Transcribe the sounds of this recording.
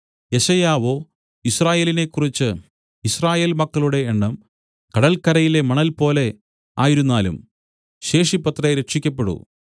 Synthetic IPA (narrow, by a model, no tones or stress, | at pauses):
je̞ɕɐjaːʋo̞ː | iɕsraːje̞ːline̞kːurit͡ɕːɨ | israːje̞ːlmɐkːɐɭuɽe̞ːɳːɐm | kɐɽɐlkɐɾɐjile̞mɐɳɐlpo̞ːle̞ | a̰ːjiɾunːaːlṵm | ɕe̞ːʂipːɐt̪rɐjɾeʂikʲːɐpːe̞ɽṵ